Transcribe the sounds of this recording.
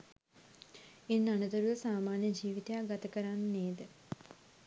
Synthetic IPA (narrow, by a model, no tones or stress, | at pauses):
enːanɐd̪ɐɾuʋɐsaːmaːnjɐd͡ʒiːʋit̪ejaɡɐt̪ɐkɐɾaːnneːd̪ɨ